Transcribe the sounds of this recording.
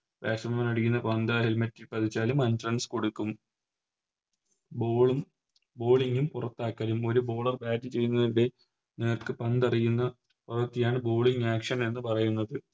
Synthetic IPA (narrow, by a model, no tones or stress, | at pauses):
ʋa̰ːsɐmɐmɐnɐɽukːunːɐpɐnd̪ɐɦelmɐtːilpɐt̪ʰit͡ɕːaːlumɐndrɐnsko̞ɽukːum | boːɭum | bo̞ːɭiŋɡumpurɐt̪ːaːkːɐːlumo̞ɾubo̞ːɭɐrbaːdɨt͡ɕe̞jːunːɐðinɽe̞ | neːrkɨpɐnd̪ɐrijunːɐ | purɐt̪ːijaːɳɨbo̞ːɭiŋɡaːkʂɐne̞nːɨpɐrɐjunːɐðɨ